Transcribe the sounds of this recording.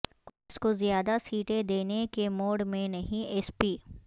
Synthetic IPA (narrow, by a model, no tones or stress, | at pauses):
koɪskozjaːd̪asiːʈed̪eːnekemoːɽmẽnɐɦĩɛːspiː